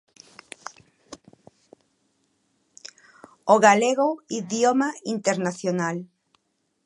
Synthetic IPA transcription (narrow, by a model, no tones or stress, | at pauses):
oɣaleɣoiðjomaint̪eɾnaθjonal